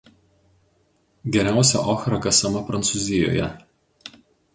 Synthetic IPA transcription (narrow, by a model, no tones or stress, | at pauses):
ɡʲɛɾʲæˑʊsʲɛ̰ʔɔxɾɐkɐsɐmɐpɾɐnt̪sʊˑzʲɪjo̰ːjɛ̰